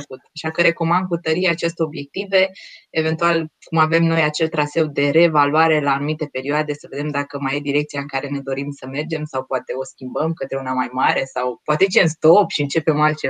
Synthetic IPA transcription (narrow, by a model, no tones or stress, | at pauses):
kut̪aʃakəɾe̞ko̞mand̪̚kut̪əɾiaːt͡ʃest̪eo̞bje̞k̚t̪ive̞eve̞nt̪ualkumave̞mno̞jat͡ʃe̞lt̪ɾase̞wd̪e̞ɾe̞valuaɾe̞laːnumit̪e̞pe̞ɾioad̪e̞səve̞d̪emd̪akəmajed̪iɾe̞k̚t̪sijaɨŋkaɾe̞ne̞d̪o̞ɾimsəme̞rd͡ʒe̞msawpoat̪e̞o̞skʲimbəmkət̪ɾe̞unamajmaɾe̞sawpoat̪et͡ʃeɨnst̪o̞pʃiɨnt͡ʃe̞pe̞malt̪t͡ʃe